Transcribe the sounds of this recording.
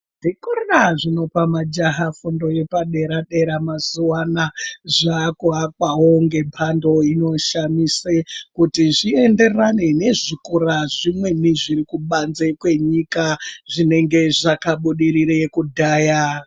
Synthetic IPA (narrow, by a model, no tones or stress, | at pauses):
nʐikorraʐino̞pamad͡ʒaɦafundo̞je̞paɗe̞ɾaɗe̞ɾamazuwanaʐakoak̚waɦoŋɡe̞mpʰando̞ino̞ʃamisekutiʐiende̞rane̞ne̞ʐikuɾaʐimwe̞niʐiɾikuɓanze̞kwe̞ɲikaʐine̞ŋɡe̞ʐakaɓuɗiɾiɾejekudʱaːja